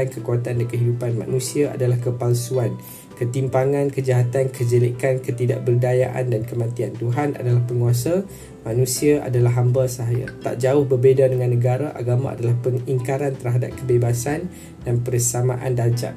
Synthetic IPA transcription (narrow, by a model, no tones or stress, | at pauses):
ankəkuat̪andankəɦidupanma̰nũsiaa̰dalahkəpalsuan | kət̪impaŋãnkəd͡ʒaɦat̪ankəd͡ʒəlikankət̪ida̰ʔbərdajaʔa̰ndankəmãt̪iant̪uɦana̰dalahpəŋuasa | mãnũsiaʔa̰dalaɦambasaɦaja̰t̪a̰ʔd͡ʒaʊhbərbedadəŋãnːə̃ɡaɾaʔa̰ɡamã̰ʔa̰dalahpəŋiŋkaɾant̪ərɦadap̚kəbebasan | danpəɾəsamã̰ʔa̰ndaɲd͡ʒa̰ʔ̚